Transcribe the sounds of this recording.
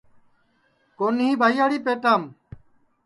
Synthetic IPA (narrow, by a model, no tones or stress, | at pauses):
koːnĩːbʱaːjaːɽiːpeːʈ̪aːm